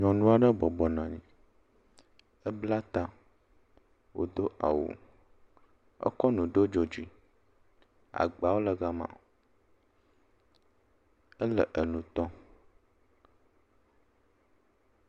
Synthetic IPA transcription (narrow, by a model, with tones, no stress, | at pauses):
ɲɔ̃˨nũ˦a˨ɖə˦bɔ˨bɔ˨nã˨ɲḭ̃˨ | ə˦bla˦t̪a˦ | wo̰˨d̪o˦ʔa̰˨wṵ˨ | ə̰˦kɔ˦nũ˨ɖo˦d͡ʒo˨d͡ʑi˦ | a̰˨ɡ͡ba˨wo˦lə˨ɡa˦mã̰˨ | ə˦lə˨ʔə˨nũ˨t̪ɔ˦